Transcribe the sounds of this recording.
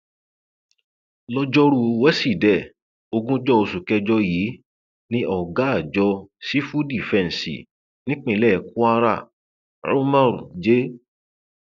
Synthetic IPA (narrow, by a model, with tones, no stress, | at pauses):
lɔ˧d͡ʒɔ˦ɾu˧wɛ˦si˦˨dɛ˦˨ | o˧ɡũ˦d͡ʒɔ˦o˧su˨kɛ˧d͡ʒɔ˧ji˨˦ | nĩ˦ʔɔ˦˨ɡa˨˦a˦˨d͡ʒɔ˧si˦fu˦di˨fɛ̃˧n˨sḭ˨ | nĩ˦k͡pẽ˧˨˧lɛ˦˨ku˦a˦ɾa̰˦˨ | ɾo˦mã˦˨ɾṵ˨d͡ʒe˦